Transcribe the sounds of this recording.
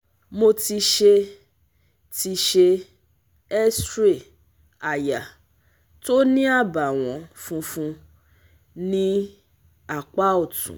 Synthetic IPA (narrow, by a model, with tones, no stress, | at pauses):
mo˧ti˧ʃe˧ | ti˧ʃe˧ | ɛ˦stɾe˦˨ | a˨ja˨ | to˦nĩ˦a˦˨ba˨w̃ɔ̃˨˦fũ˧fũ˧ | nĩ˦ | a˨k͡pa˦o˦˨tṵ̃˨